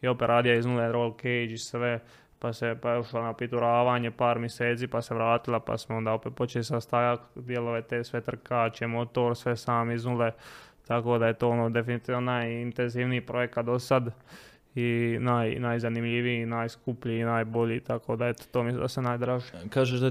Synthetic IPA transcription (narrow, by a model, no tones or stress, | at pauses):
io̞peɾʔaːd̪ijaiznuleɾolkejd͡ʒisʋe | pasepaoʃlanapit̪uɾaːʋaːɲe̞paːɾmjeseːt̪siːpaseʋɾaːt̪ilapa̰smoo̞nd̪aːopet̪̚po̞t͡ʃelisast̪ajakd̪jelo̞ʋet̪eːsʋe̞t̪r̩kaːt͡ʃemo̞t̪o̞ːɾsʋe̞saːmiznulet̪ako̞d̪aje̞t̪o̞ːonoːd̪e̞finit̪iːʋnonajint̪enziːʋniːpɾo̞je̞kat̪̚d̪o̞sad̪ | inaːjnajzanimʎiʋiinajskupʎiːnaːjbo̞ʎiːt̪ako̞ːd̪ajet̪oːmislḭd̪asenaːjd̪ɾaʒikaːʒeʒd̪a